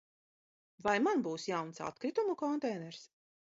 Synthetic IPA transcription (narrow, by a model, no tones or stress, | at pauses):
vajmanbuːsjawnsa̰t̪kɾit̪umukɔnt̪ɛjnɛɾs